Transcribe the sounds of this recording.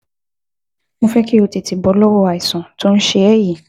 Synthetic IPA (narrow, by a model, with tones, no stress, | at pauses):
mõ˦fɛ˦ki˦o˧te˨ti˨bɔ˨˦lɔ˦wɔ˦a˨i˨sɔ̃˨to˦n̩˦ʃe˧ɛ˦ji˦˨